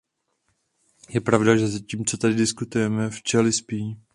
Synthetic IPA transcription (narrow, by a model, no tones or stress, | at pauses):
jɛpɾavdaʒɛzaciːmt͡sot̪adɪdɪskut̪ujɛmɛft͡ʃɛlɪspiː